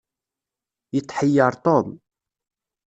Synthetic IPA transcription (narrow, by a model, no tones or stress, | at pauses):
jət̪ˤːħəjːəɾˤt̪ˤom